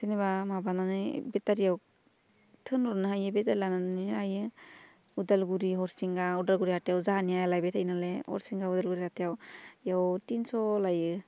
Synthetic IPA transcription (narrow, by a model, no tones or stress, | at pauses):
sinebamabananɯbɛtaɾijaw | tʰɯnɔɾnɯɦajɯbɛtalananiajɯ | udalɡuɾiɦɔɾsiŋɡaudalɡuɾihatejawzaɦaniajlajbɛtʰajnalehɔ̰ɾsiŋɡaudalɡuɾihatejawjawtinsɔlajɯ